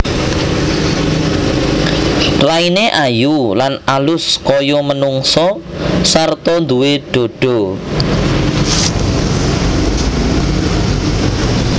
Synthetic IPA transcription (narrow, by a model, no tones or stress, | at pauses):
raineʔajulanalʊskɔjɔmənuŋsɔ | sart̪ɔnd̪uweɖ̪̥o̤ɖ̥ɔ